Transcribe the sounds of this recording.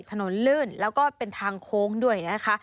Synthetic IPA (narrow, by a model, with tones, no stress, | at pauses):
t̪ʰa˧no˨˩˦nlɯː˥˩nlɛː˦˥wkɔː˥˩pe˧nt̪ʰaː˧ŋkʰoː˦˥ŋdu˥˩əjna˦˥kʰa˦˥ʔ